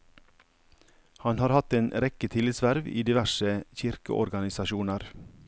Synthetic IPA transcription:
hɑnhɑːɾhɑt̪eːnɾɛkət̪ʰɪlɪt̪sʋæɾʋḭːd̪ɪʋæʃəçɪɾkə̰ʔɔ̰ɾɡɑnɪsɑʃuːnəɾ

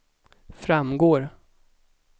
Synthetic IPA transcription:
fɾamɡoːɾ

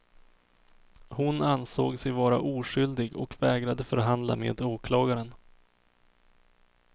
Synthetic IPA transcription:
hʊnanso̰ːɡsɛjvɑːɾaʔuːʂʏld̪ɪɡɔ̰kvɛːɡɾad̪əfœɾɦand̪la̰mḛːd̪oːkʰlɑːɡaɾən

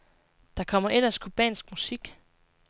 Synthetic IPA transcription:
d̥ɑ̈kʰɒ̽m̰ɐʔelɐskʰob̥ɛ̰ːnsɡ̥musiɡ̥

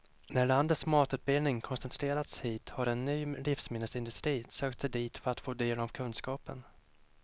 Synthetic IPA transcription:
næɭand̪ət̪smɑːt̪ʉ̟ːt̪̚bɪlnɪŋkʰɔnsɛnt̪ʰɾeːɾat̪shiːt̪haɾɛnːyːlɪfsmɪnːəsɪnd̪ɵst̪ɾiːsøːk̚t̪sɛjd̪iːt̪fœɾat̪foːd̪eːlɔmkʰɵnskɑːpə̰n

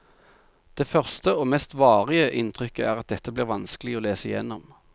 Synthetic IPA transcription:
d̪̥eːfœʁst̪əoːmɛst̪ʋɑːʁɪəʔɪnt̪ʁʏkəʔæ̰ːʁɑt̪̚d̪ɛt̪ːəbliːʁʋɑnskəlɪoːleːsəɪjɛ̰nːɔm

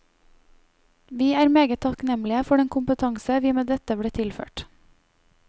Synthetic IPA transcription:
ʋiːæːɾmeːɡət̪ʰɑknɛmlɪəfɔɖɛŋkʰʊmpət̪ʰɑŋsəʋiːmeːd̪ɛt̪əbɽeːt̪ʰɪlfø̰ːʈ

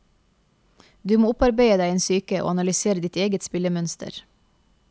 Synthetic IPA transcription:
d̪ʉːmoːʊpɑɾbæɪəd̪æɪeːnsyːkəʔo̰ːɑnɑlʏseːɾəd̪ɪt̪eːɡət̪spɪləmœnst̪ʰə̰ɾ

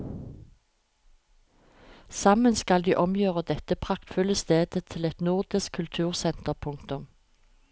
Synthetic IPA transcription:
sɑmənskɑld̪iːʔɔmjøːʁəd̪ɛt̪əpʰʁɑkt̪fʉləst̪eːd̪̥ət̪ʰɪlɛt̪nʊʁd̪ɪskʰʉlt̪ʰʉːʁsɛnt̪əʁpʰʊŋkt̪ʊm

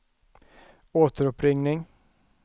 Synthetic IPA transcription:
oːt̪əɾɵpɾɪŋnɪŋ

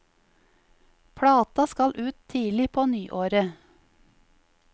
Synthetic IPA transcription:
pʰɽɑːt̪ɑskɑlʔʉːt̪ʰiːlɪpʰoːnyːʔoːɾə

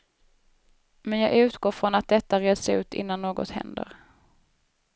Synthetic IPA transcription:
mɛnjɑːɡʉ̟ːt̪ɡoːɾfɾɔnat̪̚d̪ɛt̪ːaɾeːsʉ̟ːt̪ɪ̰nːanːoːɡɔ̰t̪hɛ̰nd̪ə̰ɾ

